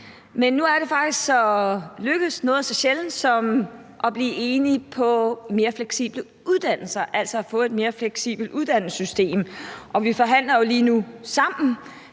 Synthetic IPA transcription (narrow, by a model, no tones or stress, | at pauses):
menːuæɐɾe̝fɑ̈ɡ̥d̥isɡ̥sɒ̽løɡ̥əð̩ˠsnɔ̽ːð̩ˠsɒ̽ɕeln̩sɒ̽m | ʔɒb̥liːʔe̝ːnipʰɒ̽me̝ːɐfleɡ̥sḭːb̥lə | ʔuðˠd̥æn̰l̩sɐʔæl̰sɒːfɔ̰̽ːe̝d̥me̝ːɐfleɡ̥sḭːb̥l̩d̥uð̞ˠd̥æn̰l̩sysd̥e̝̰ːmʔɒ̽ʋifɒ̽ɦæn̰lɐjo̝liːnusɑ̈m̰n̩